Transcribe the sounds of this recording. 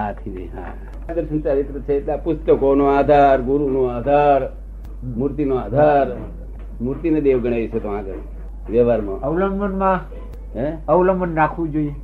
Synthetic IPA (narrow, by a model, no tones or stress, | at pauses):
at̪ʰid͡ʒḭɦa̰ | d̪əɾʃənsaɾit̪ɾət͡ʃʰet̪lapʊst̪əkonoad̪ʱaɾɡuɾunõaːd̪ʱaɾ | muɾt̪inoad̪ʱaɾ | muɾt̪ined̪eʋɡəɽ̃aʋit͡ʃʰet̪oãɡəɾ | ʋɛʋaɾmã̰əwləŋɡmənmã | ɦeəwləŋbənːakʰʋũd͡ʒoi